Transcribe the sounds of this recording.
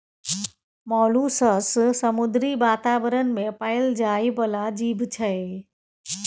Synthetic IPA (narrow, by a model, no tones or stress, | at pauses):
mɔːlusəssəmʊd̪ɾibaːt̪aːʋəɾənɪ̆mẽpaɪld͡ʒaːibəlad͡ʑiːbʱt͡ʃʰəe